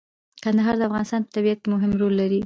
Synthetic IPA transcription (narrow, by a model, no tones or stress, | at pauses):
kand̪aɦɑɾd̪əafɣɑnɪst̪ɑnpət̪abijat̪̚kmʊɦɪmɾolːaɾi